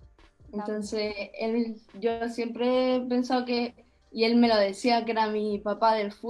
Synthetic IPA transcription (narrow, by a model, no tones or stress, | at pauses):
e̞nt̪o̞nse̞elɟ͡ʝo̞sje̞mpɾe̞pe̞nsaoke̞ | ie̞lme̞lo̞ðe̞siakee̞ɾamipapaðe̞lfu